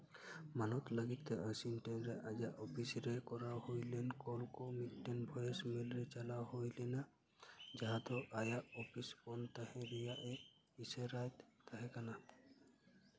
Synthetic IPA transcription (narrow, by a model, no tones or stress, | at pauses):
manɔt̪ləɡit̪ɛʔasinʈenɾɛʔajaʔɔpʰisɾɛkɔɾahojlɛnkɔlkɔmitːenbʱɔjesmilɾɛt͡ʃalahojlɛna | d͡ʒaɦat̪ɔʔajaʔɔpʰispɔnt̪ahɛ̃ɾijaʔe | iseɾajt̪ːaɦɛkana